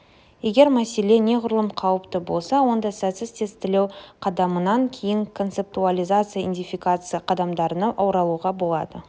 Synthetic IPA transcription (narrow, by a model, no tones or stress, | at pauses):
je̞ɡʲe̞ɾmæse̞le̞ne̞qʰʊɾəlˠəmqʰɑwəpt̪əbo̞lˠsɑwo̞nd̪ɑsæt̪sɪzt̪ʰe̞st̪ɪle̞wqʰɑd̪ɑmənɑŋkʲʰe̞jɪŋkʰo̞nt̪se̞p̚t̪ualʲijzat̪sɨjaḭnd̪ʲijfikat̪sɨjaqʰɑd̪ɑmd̪ɑɾənɑʔɑwɾɑlˠuʁɑbo̞lˠɑ̰d̪ə